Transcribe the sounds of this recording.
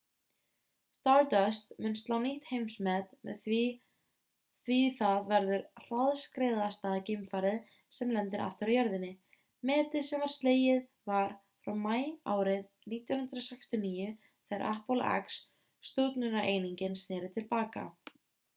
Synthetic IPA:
st̪aɾt̪œst̪mʏnst̪lawniht̪hejmsmɛt̪mɛ̰ | θviiθaðvɛɾðʏɾr̥aðskɾejðast̪aːðcejmfaːɾɪð | sɛmlɛnt̪ɪɾʔa̰ft̪ɪɾajœɾðɪnːɪ | mɛːt̪ɪsɛmvaɾ̥st̪leːjɪð | vaɾ̥ | fɾawmaːja̰ːwɾɪð | niːt̪jɔnʏnd̪ɾɔsajkst̪jʏniːjʏ | θɛɾʔa̰hpɔla̰a̰ksː | t̪uːt̪nʏnaʔejniɲcɪnsnɛːɾɪt̪ʰɪlpaːka̰

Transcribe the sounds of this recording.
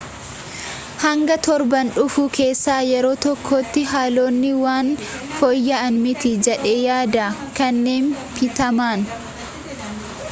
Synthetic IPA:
hɐŋɡɐt̪ɔɾbɐnᶑʊfuːkʰe̞ːsːaːjɛɾo̞ːt̪ɔkʰːoːt̪ːɪɦaːlo̞ːnːɪwaːnfɔjːɐɐnmɪt̪ɪd͡ʒɛᶑeːjaːd̪ɐkɐnːeːn | fɪt̪ɐmaːn

